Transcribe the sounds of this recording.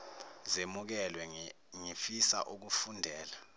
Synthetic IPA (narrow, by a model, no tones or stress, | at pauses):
zemuk̬ɛlwɛ | ŋifisa̰ʔuk̬ufundʱɛːla